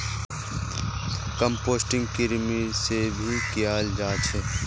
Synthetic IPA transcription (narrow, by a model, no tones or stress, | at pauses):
kəmpoːsʈɪ̃ŋɡkɪɾmisebʱikjaːld͡ʒaːt͡ʃʰɛ